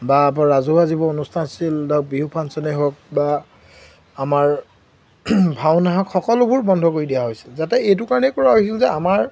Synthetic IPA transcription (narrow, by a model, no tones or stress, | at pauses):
bapɔɹazuazibɔonustʰansildabiɦupʰansɔnɔɦok̚baː | maɹ | bʱawnaɦɔkxɔkɔlʊbuɹbɔndʱɔkoɹidijaɦojsi̥lzatɛejt̬ʊkaɹɔnɛkɔɹaɦojsilzɛamaɹ